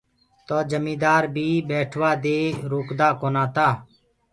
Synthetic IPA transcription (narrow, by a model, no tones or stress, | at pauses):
t̪oːd͡ʒəmĩːd̪aːɾbʱiːbɛːʈʰʋaːd̪eːɾoːkd̪aːkoːnãːt̪aː